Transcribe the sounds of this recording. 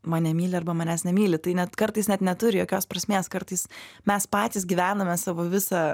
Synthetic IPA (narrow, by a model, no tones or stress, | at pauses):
mɑːnʲɛmʲiːlʲɪɐrbɐmɐnʲæːsnʲɛmʲiːlʲɪt̪ɐɪnʲɛt̪kɐrt̪ɐɪsnʲɛt̪nʲɛt̪ʊɾʲɪjoːkʲoːspɾɐsʲmʲeːskɐrt̪ɐɪsmʲɛspɑːt̪ʲiːs̬ɡʲiːʋʲæːnomʲɛsɑːʋoːʋʲɪsɑː